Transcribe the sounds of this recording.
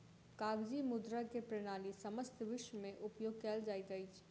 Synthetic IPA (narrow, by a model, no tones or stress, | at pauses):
kaːɡd͡ʒimʊd̪ɾakepɾeɽ̃aːlisɐməst̪ʰʋɪʃwmẽʔʊpjoːɡkɛːld͡ʒaːit̪əɪt͡ʃ